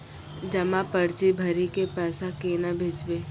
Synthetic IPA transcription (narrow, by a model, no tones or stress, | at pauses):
d͡ʒɐmãpəɽt͡ʃibʱɐɾikepɛːsakeːnabʱed͡ʒbeː